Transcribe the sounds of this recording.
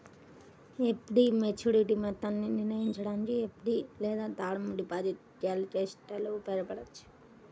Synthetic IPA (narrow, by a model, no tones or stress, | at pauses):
epɖimet͡ʃuːɾiʈimɐt̪ːanːiniɾnɐjiɲt͡ʃɐɽaːnikiepɖilɛːd̪aːt̪aːɽɐmɖipaːd͡ʒit̪ | d͡ʒaːlut͡ʃeːsʈɐloːpɛɾɐpɐɽɐt͡ʃːu̥